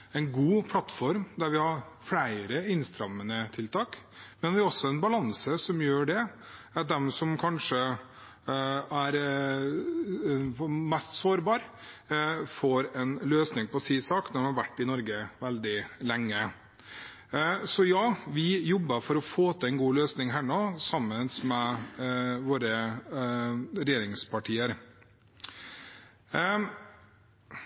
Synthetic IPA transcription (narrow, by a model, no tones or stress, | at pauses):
ɛɪnɡuːpʰlɑt̪fɔɾmd̪æɾʋɪhɑɾfɽæɪɾəɪnst̪ɾɑmːənət̪ʰɪlt̪ʰɑːk | mɛnʋɪɔsːɔæɾɛnbɑlɑnsəsɔmjøːɖɛ | ɑt̪̚d̪ɛmsɔmkʰɑnʂə | æɾ | mɛst̪soːɾbɑːɾ | foːɾɛnløːsnɪŋpɔsiːsɑːknɔɾɔmhɑɾʋæʈːɪnɔɾɡəʋɛld̪ɪlɛŋːə | sɔjɑːʋɪjɔbːəfɔɾɔfoːt̪ʰəɛnɡuːløːsnɪŋɦæːɳoːsɑmːənsmɛ | ʋoːɾə | ɾɛjeːɾɪŋspʰɑʈʰiːəɾ